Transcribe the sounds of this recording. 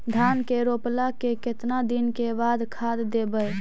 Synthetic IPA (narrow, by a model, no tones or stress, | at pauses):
d̪ʱankeɾoplakekɪt̪nad̪inkebad̪kʰad̪ːebəj